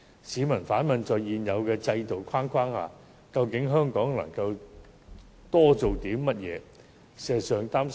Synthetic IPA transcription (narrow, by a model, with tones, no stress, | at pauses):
siː˨˥mɐ˨˩nfaː˨˥nmɐ˨nt͡sɔː˨jjiː˨njɐ˨˧wkɛː˧t͡sɐ˧jt̪o˨˩wkʰaː˥nkʷʰwaː˥ŋha̰ː˨ | kɐ˧wkɪ˨˥ŋɦœː˥ŋkɔː˨˥ŋlɐ̰˨˩ŋkɐ˧w | t̪ɔː˥t͡so˨wt̪iː˨˥mmɐ˥t̚jɛː˨˧ | sɛː˨sœː˨ŋt̪aː˥m